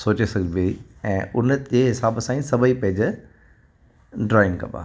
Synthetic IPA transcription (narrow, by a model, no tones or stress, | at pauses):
soːt͡ɕesɐɡbeiɛ̃ːʊnd͡ʑeɦɪsaːbsãːĩsɐbəipɐ̃ɦɪ̃d͡ʑ | ɖɾɔːɪnkɐ̰̃ba̰ː